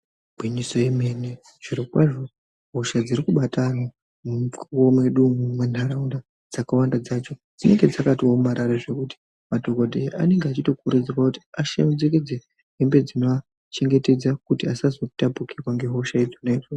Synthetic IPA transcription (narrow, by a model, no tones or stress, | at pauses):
bʱwiɲiso̞jeme̞ne | ʐ̥iɾikwaʐo̞ | ɦo̞ʃad͡zirikuɓatʰana | mkuome̞ɗumumwen̤aɾaunda | d͡zakawandad͡zat͡ʃo̞d͡zine̞ŋɡe̞d͡zakatiomaɾaɾaʐe̞kuti̥ | madʱoɡodʱea̰ne̞ŋɡeat͡ʃito̞kuɾed͡zerwakuti̥aʃḛmud͡zeke̞d͡ze | ɦembe̞d͡zinoa | t͡ʃe̞ŋɡe̞te̞d͡zakutiasazo̞tapukirwaŋɡe̞ɦo̞ʃaid͡zonaid͡zo